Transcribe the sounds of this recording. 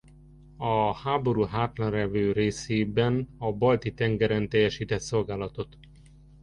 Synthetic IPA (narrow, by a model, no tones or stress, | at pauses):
ɒhaːbo̞ɾuːɦaːt̪lɒnrɛvøːɾeːseːbɛnɒbɒlt̪it̪ɛŋɡɛɾɛnt̪ɛjːɛʃiːt̪ɛt̪so̞lɡaːlɒt̪o̞t̪